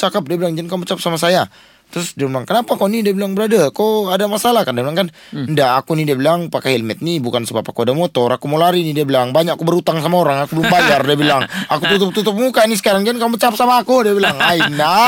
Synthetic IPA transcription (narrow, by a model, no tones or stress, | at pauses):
t͡ʃakap̚diabilaŋd͡ʒankamət͡ʃap̚samasaja | t̪ɾʊsdiablaŋkənapakanidiabilaŋbəɾadakoadamasalahkandibilaŋkan | ndaakunidiabilaŋpakahilmɛt̪̚nibukansəbapakuadamot̪ɔɾakumolaɾinidiabilaŋbaɲakkubəɾut̪aŋsamaoɾaŋakubəlumbajardiabilaŋakut̪ut̪ʊp̚t̪ut̪əp̚mukanis̬ə̥kaɾaŋd͡ʒankamət͡ʃap̚samaːkudiabilaŋaina